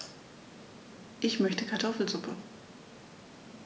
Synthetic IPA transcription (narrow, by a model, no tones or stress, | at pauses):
ʔɪçmœçtəkʰaɐtʰɔfl̩zʊpʰə